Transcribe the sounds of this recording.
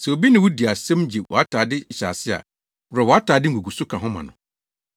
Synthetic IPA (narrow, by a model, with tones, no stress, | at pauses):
sɛ˨o˨bi˦nɪ̃˨wʊ˦di˨a˨sɛ̃˦md͡ʑe˨wʔɔ̰˨a˦tʰaː˨dɪ˦˨ɕa̰ː˨sɪ˦a̰˨ | wɾɛ˨wɔ˨a˦tʰaː˨dɪ˦ɡu˨ɡu˨sʊ˦kʰã˨ɦʊ̃˦mã̰˨nʊ̰̃˨